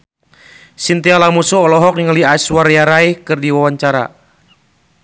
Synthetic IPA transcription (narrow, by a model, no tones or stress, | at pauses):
sint̪ialamusuɔlɔɦɔk̚niŋəliaswarjaɾaihkɨrdiwawaɲt͡ʃaɾa̰